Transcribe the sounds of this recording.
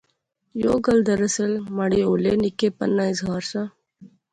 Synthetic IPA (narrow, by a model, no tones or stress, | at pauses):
joɡəld̪əɾəselmɐɽioːlenikepə̰nːaːisɡaːɾsa